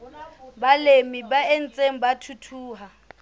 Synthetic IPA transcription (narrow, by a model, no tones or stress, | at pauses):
balemibaen̩t͡sʼeŋ̩batʰutʰuːɦa